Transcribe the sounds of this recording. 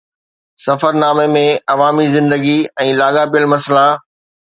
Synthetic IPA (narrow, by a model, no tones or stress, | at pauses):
sɐfəɾnaːmemẽɐʋaːmizɪ̃nd̪əɡiɛ̃ːlaːɠabijəlmɐsla